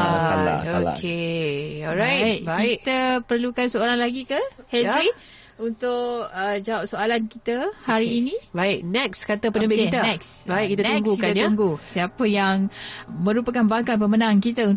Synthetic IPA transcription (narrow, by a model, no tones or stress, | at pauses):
o̰kkʰe | ɔlɾajaʔ̚bakit̪̚əpərlukansəoɾaŋlaɡikəhɛsɾi | unt̪ʊʔəd͡ʒawap̚soalankit̪əhaɾiːnĩbaɪʔnɛkskat̪əpənəbɪkit̪anɛksbaiʔkit̪ant̪uŋɡukaanj̪uŋɡusiapəjaŋmə̃ɾupakanbaŋkat̪̚pəmənãnkit̪əun